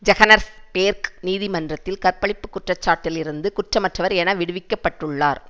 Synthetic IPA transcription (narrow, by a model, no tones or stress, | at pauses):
d͡ʒɛɣɐnɐɾspeːɾkniːðɪmɐndrɐt̪ːɪlkɐɾpɐɭɪpːɯkːʊʈrɐt͡ʃːaːʈːɪlɪɾɯnd̪ɯkʊʈrɐmɐʈrɐʋɐɾɛnɐʋɪɽɯʋɪkːɐpːɐʈːɯɭːaːɾ